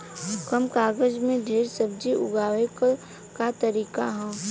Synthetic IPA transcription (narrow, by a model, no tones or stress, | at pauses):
kəmkaːɡəd͡ʒmẽd̪ʱeːɾsəbd͡ʒiʔʊɡaːʋek | kat̪əɾiːkaɦɛ̃ː